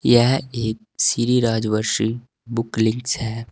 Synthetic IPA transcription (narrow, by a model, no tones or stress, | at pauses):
jɛɦeːk̚siɾiɾaːd͡ʒʋəɾʃi | bʊklɪ̃ŋksɦɛː